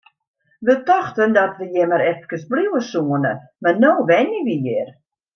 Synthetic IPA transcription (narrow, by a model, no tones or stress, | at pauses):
ʋətɔxtəndɔtʋəjɛmaɾɛftkəsbliwəsuənəmanoːʋɛniʋijɪr